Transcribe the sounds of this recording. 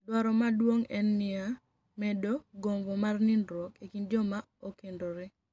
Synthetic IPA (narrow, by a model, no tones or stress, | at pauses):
dwaɾɔmadwoŋɛnːɪa | mɛdoɡomvɔmarnɪndɾokekind͡ʒɔma | okendoɾɪ